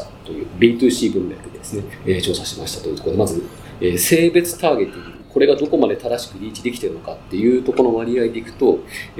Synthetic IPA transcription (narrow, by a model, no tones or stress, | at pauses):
t̪o̞jɯ̟ːbʲiːt̪ɨ̟ːɕiːbɯ̟̃nɾed̪ɯd̪ed̪e̞sɨne̞et͡ɕo̞ːsaɕiemaɕi̥t̪ḁt̪oji̟t̪okod̪emazɨ | eːse̞ːbe̞t͡sɨ̥t̪aːɡe̞t̪ʲːĩŋɡɡɯ̟kʰo̞ɾe̞ɡad̪o̞ko̞mad̪e̞t̪ad̪aɕi̥kɯ̟ɾʲiːt͡ɕid̪ekʲi̥t̪e̞ɾɯ̟no̞kat̪ːe̞jɯ̟ːt̪o̞ko̞no̞βaɾʲiaid̪e̞ikɯ̟̥t̪o̞